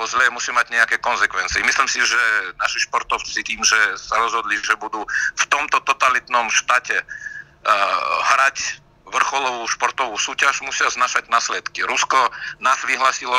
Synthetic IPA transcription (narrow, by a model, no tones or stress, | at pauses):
ɔzlɛːmusiːmaɟɲɛakɛːkɔnzɛkʋɛntt͡sɪɛmisliːmsiʒɛnaʃiʃpɔɾt̪ɔʊt͡sit̪iːmʒɛsaɾɔzɦɔd̪liʒɛbud̪uft̪ɔmt̪ɔt̪ɔt̪alit̪nɔmʃt̪aːcɛ | ɦɾac | ʋr̩xɔlɔʋuːʃpɔɾt̪ɔʋuːsuːcaʒmusɪaznaːʃaɟnaslɛt̪kiɾuskɔnaːzʋiɦlaːsilɔ